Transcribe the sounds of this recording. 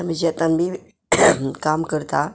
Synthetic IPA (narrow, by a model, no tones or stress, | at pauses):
mid͡ʒət̪anbi | kamkəɾt̪a